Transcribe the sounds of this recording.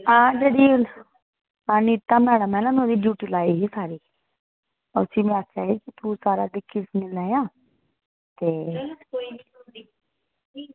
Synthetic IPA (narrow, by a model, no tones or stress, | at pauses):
ãːd͡ʒeɽiː | aːnit̪amɛːɽəmɛːnaːmɛod̪iːbjuːʈiːlaːiːɦisaːɾiː | ʊsimɛ̃at͡ʃaːɦikit̪usaːɾad̪ɪkʰːɪsmɪlaːjãː | t̪eː